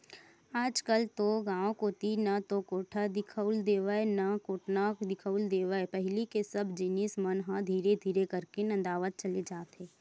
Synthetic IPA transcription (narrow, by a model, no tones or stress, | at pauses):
aːd͡ʒkəlt̪oɡãːõkot̪inɐt̪okoːʈʰad̪ɪkʰəʊld̪eːʋəenɐkoːʈnakd̪ɪkʰəʊld̪eːʋəepɛɦlikesɐbd͡ʒɪnismɐnɦãd̪ʱiːɾed̪ʱiːɾekəɾkenɐ̃nd̪aːʋət̪̚t͡ʃɐled͡ʒaːt̪ɦeː